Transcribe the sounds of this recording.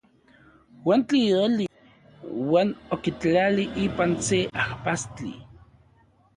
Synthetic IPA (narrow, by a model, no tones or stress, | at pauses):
want͡ɬijoli | waːnokit͡ɬaliʔiːpanseahpast͡ɬḭ